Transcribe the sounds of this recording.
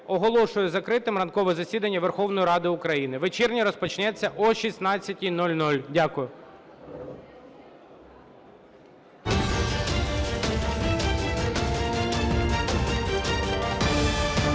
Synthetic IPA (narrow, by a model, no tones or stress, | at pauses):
ɔɦɔlˠɔʃʊjʊzɐkɾɪt̪ɪmrɐnkɔʋɛzɐsʲid̪ɐnʲːɐʋerxɔʋnɔjiɾɑd̪ɪʊkɾɐjinɪʋet͡ʃɛrnʲiɾɔspɔt͡ʃnɛt͡sʲːɐʔɔʃʲisnɑt͡sʲːɐtʲinɔlʲnɔlʲdʲakʊjʊ